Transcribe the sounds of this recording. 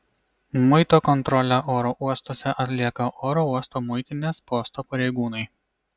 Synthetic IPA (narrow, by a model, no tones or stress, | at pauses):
mʊɪt̪oːkɔnt̪ɾɔlʲæʔoːɾoʔuɔst̪oːsʲɛʔɐt̪ʲlʲiɛkɐʔoːɾouɔst̪oːmʊɪt̪ʲɪnʲeːspoːst̪oːpɐɾʲɛɪɡuːnɐɪ